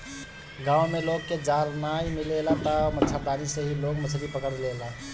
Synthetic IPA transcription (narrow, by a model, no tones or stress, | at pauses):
ɡãumeloɡked͡ʒalnajmilelat̪ɔmətːʃʰad̪anisəɦiloɡmət͡ʃʰɾipəkəɾlela